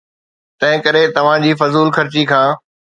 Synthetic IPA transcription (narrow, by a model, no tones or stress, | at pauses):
t̪ɐ̃ɦɪ̃kɐɾet̪ɐʋ̤ãd͡ʑiːfɐzuːlxɐɾt͡ɕikʰãː